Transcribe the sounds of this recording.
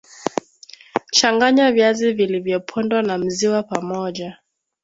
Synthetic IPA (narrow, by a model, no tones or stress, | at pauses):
t͡ʃaŋɡaɲavjazivilivjɔpʰɔndwanam̩ziwapamɔʄa